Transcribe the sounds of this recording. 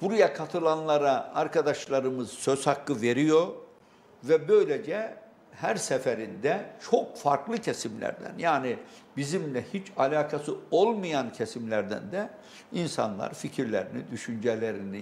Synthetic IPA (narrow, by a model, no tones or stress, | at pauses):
b̥uɾajakʰat̪ʰɯlˠanlˠaɾaaɾkʰad̪aʃlˠaɾɯmɯz̥søz̥hakːɯve̞ɾijo̞ | vɛbø̞jlʲed͡ʒɛ | hæɾsɛfɛɾind̪ɛt͡ʃʰo̞k̚faɾklˠɯcʰesimlʲæ̰ɾd̪æ̰njaːnibizimlʲɛhit͡ʃʰalʲaːkʰasɯo̞lˠmɯjancʰesimlʲæɾd̪æ̰nd̪ɛ | insa̰nlˠa̰ɾficʰiɾlʲeɾinid̪yʃynd͡ʒɛlʲeɾini